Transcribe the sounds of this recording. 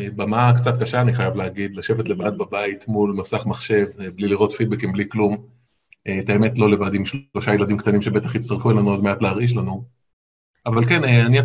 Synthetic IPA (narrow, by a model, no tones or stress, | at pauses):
bamaakt͡sat̪̚kaʃaːniχajavleaɡid̪laʃe̞vetlevad̪̚babait̪mulmasaχmaχʃe̞vbliliʁo̞tfid̪̚bekimbliklum | et̪ae̞me̞tlo̞levad̪imʃlo̞ʃajeladimkt̪animʃe̞be̞t̪aχit͡st̪aʁfuelanuodmeatleaʁiʃ̬lanu | avalkeneania